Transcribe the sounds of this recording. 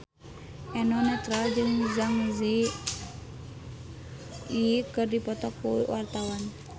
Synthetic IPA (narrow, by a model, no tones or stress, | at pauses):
ʔɛnɔnɛt̪ɾald͡ʒɨŋzaŋzi | ikɨrdipɔt̪ɔk̚ːuwart̪awan